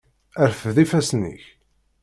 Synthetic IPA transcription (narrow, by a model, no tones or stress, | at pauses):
æɾfəðifæsnːḭç